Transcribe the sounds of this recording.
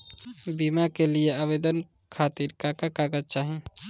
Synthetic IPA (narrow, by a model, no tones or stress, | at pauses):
bimakelieabed̪ən | kʰat̪iɾkakakaɡət̚t͡ʃaɦĩ